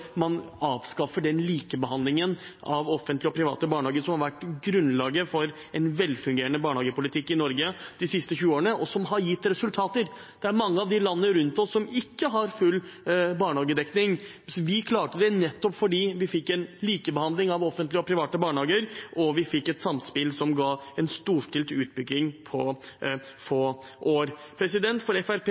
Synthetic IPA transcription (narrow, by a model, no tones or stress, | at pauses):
mɑnɑːʋskɑfːəɖɛnliːkəbəhɑnd̪lɪŋənʔɑʋɔfənt̪lɪɔpʰɾɪʋɑ̰ːt̪əbɑːɳəhɑːɡəʂsɔmhɑɾʋæʈːɡɾʉnlɑːɡəfɔɾ | ɛnʋɛlfʉŋɡeːɾəɳnəbɑːɳhɑːɡəpʊlɪt̪ʰɪkːɪnɔɾɡəd̪̥ɪsɪst̪əçʉːoːɾəɳəʔɔsɔmɦɑɾjɪt̪ːɾɛsʉlt̪ʰɑːt̪əɾ | d̪̥ɛæɾmɑŋːəɑʋd̪ɪlɑnːəɾʉnt̪ɔsːɔmɪkːəɦɑɾfʉlːbɑːɳhɑːɡəd̪ɛknɪŋ | ʋɪkʰlɑːʈəd̪ɛnɛt̪ːɔpfɔɖiːʋɪfɪkːɛnliːkəbəhɑnd̪lɪŋɑʋɔfːənt̪lɪɔpʰɾɪʋɑːt̪əbɑːɳəhɑːɡəɾʔɔʋɪfɪkːɛt̪sɑmspɪlsɔmɡɑɛnst̪uːʂʈɪlt̪ʉːt̪̚bʏɡːɪŋpʰɔ | foːʔoːɾ | pʰɾɛsɪd̪ɛnt̪fɔɾɛfæɾp